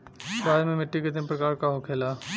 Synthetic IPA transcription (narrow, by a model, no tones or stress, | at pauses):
saːɾmẽmɪʈːiked̪ɪmpɾəkaːɾkaɦokʰeːla